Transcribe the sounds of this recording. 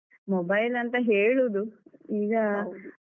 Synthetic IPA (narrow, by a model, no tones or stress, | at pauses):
mɔbɐjlɐnt̪ɐɦeːɭuːd̪uiːɡɐ